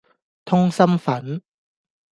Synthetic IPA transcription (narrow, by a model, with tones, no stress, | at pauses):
t̪ʰʊ˥ŋsɐ˥mfɐ˨˥n